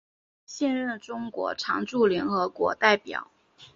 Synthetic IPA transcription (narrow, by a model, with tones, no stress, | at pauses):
ɕjɛ˥˧nɻə˥˩nʈ͡ʂʊ˥ŋkwɔ̰˧˥ʈ͡ʂʰɑ̰˧˥ŋʈ͡ʂu˥˩ljɛ˧˥nxɤ˧˥kwɔ̰˧˥t̪a˥˩ɪpjɑ̰˨˩˦ʊ